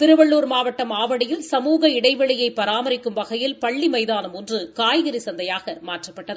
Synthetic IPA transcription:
t̪ɪɾɯʋɐɭːuːɾmaːʋɐʈːɐmaːʋɐɽɪjɪlsɐmuːɣɐɪɽɐɪʋɐɭɪjɐɪpːɐɾaːmɐɾɪkːɯmʋɐɣɐjɪlpɐɭːimɐɪðaːnɐmɔndrɯkaːjɣɐɾisɐnd̪ɐjaːɣɐmaːʈrɐpːɐʈːɐðɯ

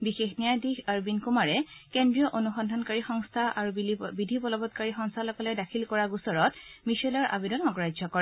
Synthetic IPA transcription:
bixexnijadixaɹbinkumaɹɛkendɹijɔʔonuxɔndʱɔnkaɹixɔŋstʰaʔaɹubidʱibɔlɔbɔt̚kaɹixɔŋst̪ʰalɔkɔlɛdakʰilkɔɹaɡusɔɹɔtmisɔlɔɹʔa̰bidɔnɔɡɔɹajzɔkɔɹɛ

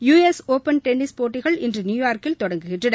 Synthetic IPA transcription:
juːesoːpɐnʈɛnːɪspoːʈːɪɣɐɭɪndrɯnjuːjaːɾkɪlt̪ɔɽɐŋɡɯɣɪʈrɯnɐ

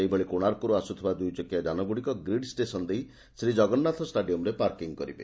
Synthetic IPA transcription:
eibʱɔɭikoɽ̃aɾkuɾuasut̪ʰibad̪ujt͡ʃɔkjad͡ʒanɔbuɽikɔɡɾiɖsʈesɔnd̪ej | sɾid͡ʒɔɡɔnːat̪ʰɔsʈaɖijɔmɾepaɾkiŋkɔɾibḛ

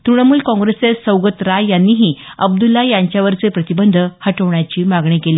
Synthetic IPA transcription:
t̪ɾuɽ̃əmuːlkɔ̃ŋɡɾesesəwɡət̪ɾajjanːiːɦiːəbd̪ulːajaɲt͡ɕjaʋəɾt͡sepɾət̪ibənd̪ʱəhəʈəʋɳjat͡ɕiːmaɡɳikeliː

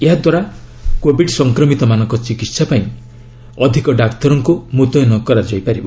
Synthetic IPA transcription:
eɦad̪waɾa | kobʱiɖsɔŋkɾɔmit̪ɔmanɔŋkɔt͡ʃikit̪sapaĩ | ɔd̪ʱikɔɖakt̪ɔɾɔŋkumut̪ɔjɔnɔkɔɾad͡ʒɔjpaɾibɔ

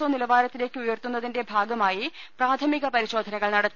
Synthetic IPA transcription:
oːnilɐbaːɾɐt̪ːile̞ːkʲːɨujɐrt̪unːɐðinde̞bʱaːɡɐmaːjipraːt̪ʰɐmiɣɐpɐɾiɕo̞ːd̪ʱɐnɐɣɐɭnɐɽɐt̪ː

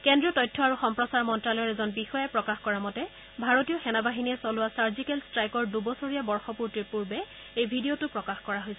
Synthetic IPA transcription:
kɛndɹiɔtɔjtʰːɔaɹuxɔmpɹɔsaɹmɔntɹalɔjɔɛzɔnbixɔjɛpɹɔkaxkɔɹamɔtɛ | bʱaɹotiɔxɛnabaɦiniɛsɔlʊwasaɹzikɛlstɹajkɔɹdubɔsɔɹijabɔɹxɔpuɹtiɹpuɹbɛ | ejbʱidiotupɹɔkaxkɔɹaɦojsɛ

